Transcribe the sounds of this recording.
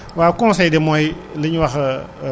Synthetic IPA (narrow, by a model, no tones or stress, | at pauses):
waːkɔ̃nsɛjdɛmɔj | ləɲwɐx